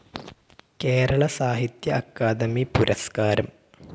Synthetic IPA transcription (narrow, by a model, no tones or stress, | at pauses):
keːɾɐɭɐsaːɦit̪jɐːkːaːd̪ɐmipuɾʔɐskaːɾɐm